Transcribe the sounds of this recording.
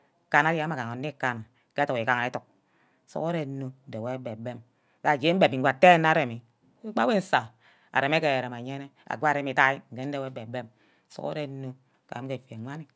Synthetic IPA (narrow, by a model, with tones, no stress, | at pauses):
ka˨na˨˦ɾma˨ka˨ŋo˨nːi˦ka˨n˨˦ke˦tu˨ki˨ka˨ŋa˨e˦tu˨k̚ | so̰˨ko˦ɾe˨˦no˨˦n̩˨de˨we˦be˨be˦m | ka˨d͡ʒe˦m̩˦be˨p̚i˨ŋ˨ɡʷa˨te˦na˦ɾe˨mi˨ | e˦k͡pa˦we˦n̩˦sa˨ | a̰˨ɾe˨me˦ke˨ɾe˨ma˨ɲe˦ne˦a̰˨ɡʷa˦˨ɾe˨mi˨ta˦i˦ŋ̩˨ke˦n̩˦de˨we˦be˨be˦m˨ | so̰˨ko̰˦ɾe˦nːo˦˨ | ka̰˨˦ke˨fe˨ŋʷa˦ni˦˨